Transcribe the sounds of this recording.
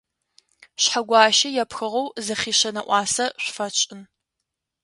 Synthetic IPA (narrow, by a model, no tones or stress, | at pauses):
ɕħaɡʷɑːʃɐjɛpxɨʁɐwzɐχiːɕɐnɐʔʷɑːsɐɕʷfɐt͡ʃʼɪn